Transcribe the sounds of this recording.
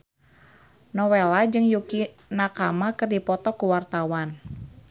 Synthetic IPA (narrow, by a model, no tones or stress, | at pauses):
nɔwelad͡ʒɨŋjuki | nakamakɨrdipɔt̪ɔkuwart̪awan